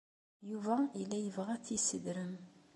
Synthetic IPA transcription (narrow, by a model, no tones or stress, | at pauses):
juvæilːæjəvʁæθisəd̪ɾəm